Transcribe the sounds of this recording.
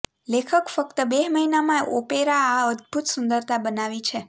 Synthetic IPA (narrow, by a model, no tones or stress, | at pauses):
lekʰəkfək̚t̪əbeməɦinamãʔopeɾaːəd̪̚bʱut̪sund̪əɾt̪ʰabənaʋit͡ʃʰe